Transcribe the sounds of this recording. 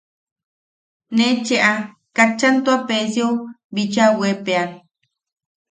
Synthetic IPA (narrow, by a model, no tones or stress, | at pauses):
net͡ʃeʔa | kat͡ʃːant̪uapesjo | bit͡ʃawepean